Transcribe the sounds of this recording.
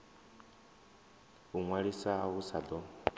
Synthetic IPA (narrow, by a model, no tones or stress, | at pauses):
uŋwaɺisaɦusad̪ɔ